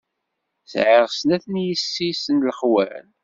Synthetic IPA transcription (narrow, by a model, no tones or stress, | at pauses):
sʕiʁsnæθnjisːisənləχwæ̰ɾ̰n